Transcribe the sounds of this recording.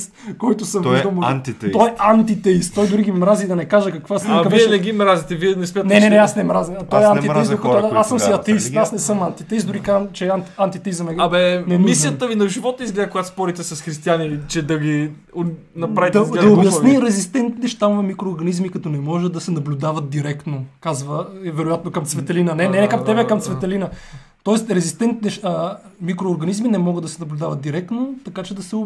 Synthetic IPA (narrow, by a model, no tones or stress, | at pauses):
st̪kɔjt̪ʊsəmd̪əmoant̪it̪ɔɛant̪it̪ɛist̪t̪ːɔjd̪ʊɾiɡimɾazid̪ɐnɛkaʒɐkɐkvaskɐvɛɛɛnɛɡimɾazit̪ɛviɛnɛsmʲat̪nɛnɛnɛasnɛmɾazinɐt̪ɔɛaniɾɛisd̪okɔt̪d̪aasəmiɐt̪ɛist̪asnɛsɤmant̪it̪ɛisd̪ʊɾikat͡ʃɛant̪ant̪it̪ɛizɐmɛɐbɛnɛmmisjət̪əvinɐʒivɔt̪̚əizɡlɛd̪əkʊɡat̪spɔɾit̪ɛsɐsxɾist̪ianit͡ʃɛd̪ɐɡi | nɐpɾavitd̪ɐd̪ɐobjɐsniɾɛzist̪ɛnt̪nɛʃt̪amvɐmikɾoːɾɡɐnizmikɐt̪ɔnɛmɔʒɛd̪ɐsɛnɐblʲʊd̪avɐt̪̚d̪iɾɛkt̪nokazvəɛvɛɾojat̪nokɐmt̪svɛt̪ɛlinənɛnɛnɛkɐmt̪ɛbɛkɐmsvɛt̪ɛlinə | t̪ɔɛst̪ɾɛzist̪ɛnt̪nɛʃəmikɾoːɾɡɐnizminɛmɔɡəd̪ɐsɛnɐblʲʊd̪avɐt̪̚d̪iɾɛk̚t̪not̪ɐkat͡ʃɛd̪ɐsɛʊ